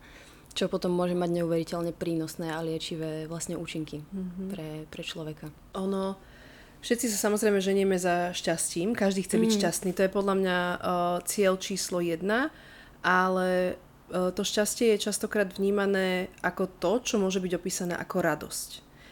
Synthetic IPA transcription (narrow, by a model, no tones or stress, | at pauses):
t͡ʃɔpɔt̪ɔmːʊɔʒɛmːaɟɲɛuʋɛɾicɛlɲɛpɾiːnɔsnɛːalɪɛt͡ʃiʋɛːʋlasɲɛuːt͡ʃiŋkipɾɛpɾɛt͡ʃlɔʋɛka | ʔɔnɔ | fʃɛt̪t͡sis̬asamɔzɾɛɪmɛʒɛɲɪɛmɛzaʃcasciːmkaʒd̪iːxt͡sɛbicʃcast̪niːt̪ɔjɛpɔd̪ʎamɲat͡sɪɛʎt͡ʃiːslɔjɛd̪na | ʔalɛ | t̪ɔʃcascɪɛjɛt͡ʃast̪ɔkɾaːd̪vɲiːmanɛːʔakɔt̪ɔt͡ʃɔmʊɔʒɛbiɟɔpiːsanɛ̰ːʔakɔɾad̪ɔ̰sc